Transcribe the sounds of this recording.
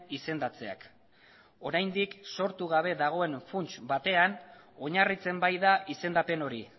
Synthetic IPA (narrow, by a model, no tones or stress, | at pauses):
ise̞nd̪at͡se̞̰a̰k | o̞ɾajnd̪ikso̞ɾt̪uɣ̞aβ̞e̞ðaɣ̞o̞e̞nfunt͡ʃbat̪e̞an | o̞ɲarit͡se̞mbajðaʔise̞nd̪ape̞no̞ɾi